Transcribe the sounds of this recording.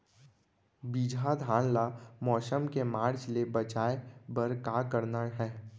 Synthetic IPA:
biːd͡ʒʱad̪ʱaːɽ̃lamɔːʃəmkemaːɾt͡ʃlebət͡ʃaːebəɾkaːkəɾnaɦɛː

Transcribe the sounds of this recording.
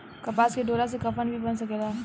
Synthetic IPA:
kɐpaːskeɖoːɾas̬ekɐpənbʱibɐnsɐkeːɡaː

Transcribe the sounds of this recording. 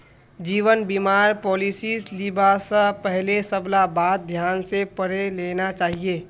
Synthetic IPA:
d͡ʒiːʋənbiːmaːɾpɔːlisiːsliːbasəpɛɦlesəblabaːd̪̚d̪ʱjaːnsepəɾeleːnat͡ʃaːɦieː

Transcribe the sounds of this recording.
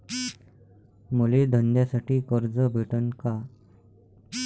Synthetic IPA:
muled̪ʱənd̪jasaʈiːkəɾd͡zəbʱiʈənka

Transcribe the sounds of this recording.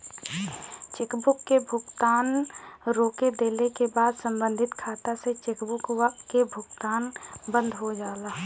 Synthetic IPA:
t͡ʃeːkbʊkːebʱʊɡt̪aːnɾoːked̪eːlekebaːd̪sə̃mbə̃nd̪ʱɪt̪kʰaːt̪aset͡ʃeːkbʊkakebʱʊɡt̪aːnbə̃nd̪ʱɦod͡ʒaːlaɦ

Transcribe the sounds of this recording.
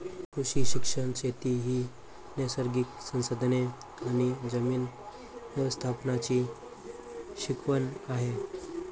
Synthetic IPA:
kʰuɕiːɕikʂəɳt͡ɕet̪iɦiː | nesəɾɡiksə̃ñsəd̪ʱne | anid͡zəmiːn | ʋjəʋəst̪ʰapnat͡ɕiː | ɕikʰʋənaɦe

